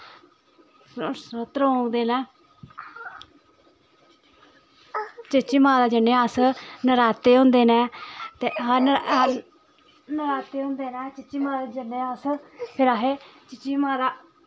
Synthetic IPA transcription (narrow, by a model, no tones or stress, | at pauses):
sət̪ɾõːɡd̪eːnɛ̃ː | t͡ʃɪt͡ʃiːmãːd̪aːd͡ʒəneːaːsnəɾaːt̪eːɦʊ̃nd̪eːnɛ̃ːt̪eːɦən | nəɾaːt̪eːɦõːnd̪eːnɛːt͡ʃɪt͡ʃiːmãːd̪aːd͡ʒənːeːaːspʰɪɾaːɦeːt͡ʃɪt͡ʃiːmãːd̪aː